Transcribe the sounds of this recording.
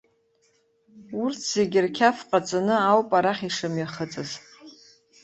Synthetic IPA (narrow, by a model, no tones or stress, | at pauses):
urt͡sʰz̥eɡʲɪrkʲʰafqʼat͡sʼanɨawpʼaɾaχʲiʂɨmɥaχət͡sʼɨz